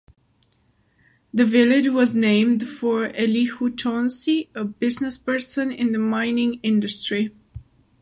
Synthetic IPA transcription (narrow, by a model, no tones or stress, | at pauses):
ðɨvɪlɪd͡ʒwʌznẽɪ̃md̥fə˞ɛlihutʰɔ̃nsiəbɪznɨspɜ˞sɨ̃nɪ̰̃nðɨmãɪ̃nɪ̃ŋɪ̃ndɨstɹ̥i